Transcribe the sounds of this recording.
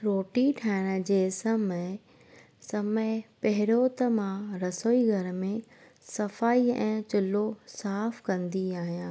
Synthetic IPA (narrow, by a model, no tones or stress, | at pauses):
ɾoːʈiʈʰaːɪɽ̃ə̆d͡ʑeːsɐməɪ | sɐməɪpɐɦɪɾot̪əmãɾɐsoːiɡʱɐɾmẽ | sɐfaːiɛ̰̃ːt͡ɕʊlosaːfkɐ̃nd̪iaːɦijãː